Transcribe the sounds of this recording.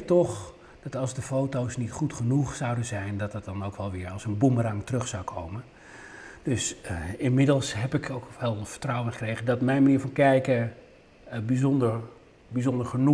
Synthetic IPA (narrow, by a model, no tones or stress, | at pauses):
tɔχ | d̥ɑtɑlˠzdəfowtowsnitχutχənuχsʌwdənzɛjndɑtət̚dɑnowkʋɛlˠʋɪːɹɑlˠsənbumərɑŋtərɵχsawkʰowmən | d̥ɵsɪnmɪdəlˠsɦɛpɪkʰowkʋɛlˠfə̥ɹtrawənχəkrejəndɑtmɛjnmaniːɹfɑnkɛjkə | bizɔndəɹ | bizɔndəɹχənu